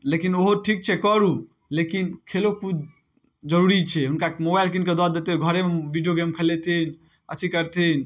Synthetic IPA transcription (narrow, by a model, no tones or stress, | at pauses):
lekinoɦoʈʰik̚t͡ʃʰɛkəɾu | lekinkʰelokut͡ʃʰ | d͡ʒəɾuɾit͡ʃʰɛɦunkamobajlkinked̪ad̪et̪eɡʱəɾemebiɖijoɡemkʰəlet̪ʰin | ət̪ʰikəɾt̪ʰin